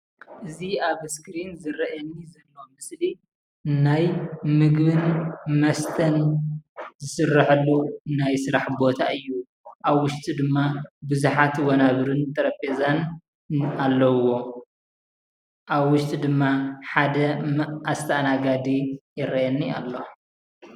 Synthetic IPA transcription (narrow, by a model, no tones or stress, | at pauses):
ʔɨziaβskɾinzɨɾɐʔɐnːizɐlːo̞mɨsli | najmɨɡbɨnmɐst̪ʰɐn | zɨsɨrːaħɨlːunajsɨɾaħbo̞t̪ʰaɨjːu | ʔaβwʊʃt̪ʰʼid̪ɨmːabɨzuħat̪wɐnaβɾɨnt̪ʰʼɐɾɐpezan | alːɐwo̞ | ʔaβwʊʃt̪ʰʼid̪ɨmːaħad̪ɐʔast̪ʰɐnaɡad̪ijɪɾɐʔjɐnːia̰lːo